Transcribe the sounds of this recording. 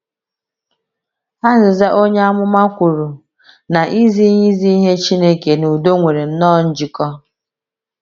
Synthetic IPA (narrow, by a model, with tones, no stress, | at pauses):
a˦zɪ˨za˦ʔo˦ɲe˦a˦mʊ˦ma˦kʷu˨ɾu˨ | na˨ʔi˦zi˦ɲi˦zi˦i˦ɦe˦t͡ʃi˦ne˦ke˨nu˨do˦ŋʷe˨ɾe˨n̩˦nɔː˦˨n̩˦d͡ʒɪ˦kɔ˦